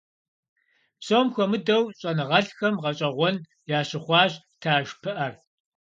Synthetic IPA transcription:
soːmxʷɔmɨdɐwɕʼɐnɨʁɐɬxɐmʁɐɕʼɐʁʷɔn | jaːɕɪχʷɑːɕ | tʰaːʒpʰɨʔɐr

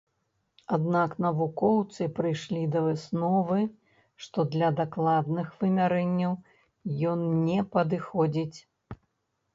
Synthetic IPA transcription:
ad̪naknɐvukɔwt̪sɨpɾɨjʂlʲid̪ɐvɨsnɔvɨ | ʂt̪ɔd̪lʲɐd̪aklˠad̪̚nɨxvɨmʲaɾɛnʲːɐw | jɔnnʲɛpɐd̪ɨxɔd͡zʲit͡sʲ

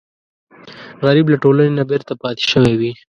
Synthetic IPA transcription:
ɣaɾiblaʈolanenabeɾt̪apɑt̪e̥ʃəwewi

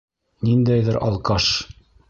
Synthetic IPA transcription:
nind̪æjðɘɾʔɑ̰lˠqɑʃ

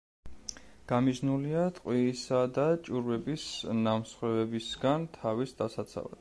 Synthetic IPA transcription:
ɡ̥amiʒnuliat̪ʼqʼwiːsad̪at͡ʃʼuɾvɛbisnamsχwɛvɛbisɡant̪ʰavisd̪asat̪sʰa̰va̰d̪̥

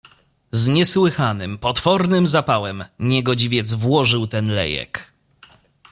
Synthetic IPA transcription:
zɲɛswɘxanɘmpɔt̪fɔɾnɘmzapawɛmɲɛɡɔd͡ʑivʲjɛd̪zvwɔʐɘwt̪ɛnlɛ̰jɛ̰k

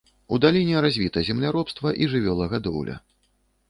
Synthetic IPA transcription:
ud̪alʲinʲɛɾazʲvʲit̪ɐzʲɛmlʲaɾɔpst̪vɐʔiʐɨvʲɔlˠɐɣad̪ɔ̰wlʲɐ̰

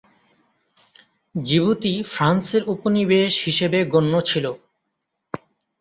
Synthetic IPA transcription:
d͡ʑibut̪ifɾanseɾuponibeʃhiʃebeɡonːot͡ɕʰilo

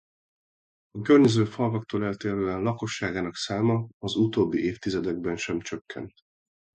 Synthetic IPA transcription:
ɒkørɲɛzøːfɒlvɒk̚t̪oːlɛlt̪eːɾøːɛnlɒko̞ʃːaːɡaːnɒksaːmɒɒzut̪oːbːiʔeːft̪izɛd̪ɛɡ̚bɛnʃɛmt͡ʃøkːɛ̰nt̪

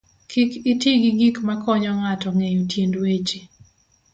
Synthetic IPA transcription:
kʰɪkɪtiɡiɡikmakɔɲɔŋatɔŋejutjendwet͡ʃe

